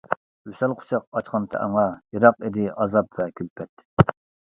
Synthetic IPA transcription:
ysɛlˠqʰʊ̥t͡ʃʰɑq̚ɑt͡ʃqʰɑnt̪ʰɛ̰ʔɑ̰ŋɑjɑɾɑqid̪ɪʔɑzɑpvɛkʲʰylpʰɛt̪

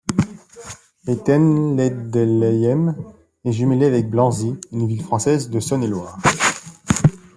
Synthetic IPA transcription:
et̪ɛnlɛd̪ɛlɛjɛm | ɛʒymeleavɛk̚blɑ̃ziynvilfχɑ̃sɛzd̪əsɔnelwaːʁ

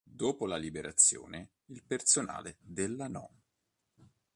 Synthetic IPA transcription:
d̪oːpolalibeɾat̪sːjo̰ːne | ilpersona̰ːled̪elːanɔ̰

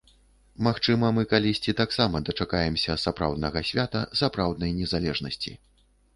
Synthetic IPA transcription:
maxt͡ʂɨmɐmɨkalʲisʲt͡sʲit̪aksamɐd̪ɐt͡ʂakajɛmsʲɐsapɾa̰wd̪̚nɐɣɐsʲvʲat̪ɐsapɾawd̪nɐjnʲɛzalʲɛʐnɐsʲt͡sʲḭ

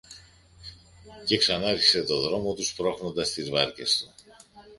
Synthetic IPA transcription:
ce̞ksɐnɐeɾçi̥se̞t̪o̞ðɾo̞mo̞t̪uspɾo̞xno̞nd̪ɐst̪izvɐɾce̞̰st̪u̥

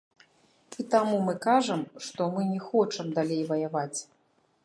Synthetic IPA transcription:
it̪amumɨkaʐɐmʂt̪ɔmɨnʲɛxɔt͡ʂɐmd̪alʲejvɐjavat͡sʲ

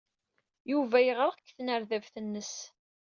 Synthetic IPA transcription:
juvæjʁəʁkːθnəɾðævθənːəs

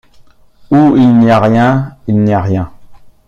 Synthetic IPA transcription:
uilnjaʁjɛ̃ilnjaʁjɛ̃

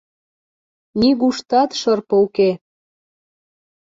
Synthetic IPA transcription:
niɣuʃt̪ɑt̪ʃɤrpɤ̆uke

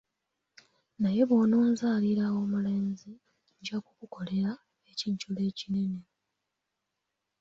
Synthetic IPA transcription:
naje̞βoːnoːnzaːliɾawo̞ːmule̞ːnzi | ɲɟakukuko̞le̞ɾa | eciːɲcule̞ːcine̞ne̞

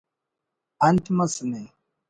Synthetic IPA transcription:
antimasəne

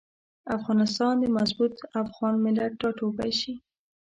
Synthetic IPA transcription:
afɣɑnɪst̪ɑnd̪əmazbut̪afɣɑnmɪlaʈ̚ːɑʈobajʃi

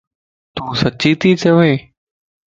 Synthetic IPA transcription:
t̪uːsət͡ʃiːt̪iːt̪ʰeʋeː

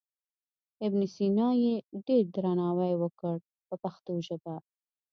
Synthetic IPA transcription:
ɪbnisinɑjeɖeɾd̪ɾanɑwajwəkəɽ | pəpaxt̪oʒad̪a

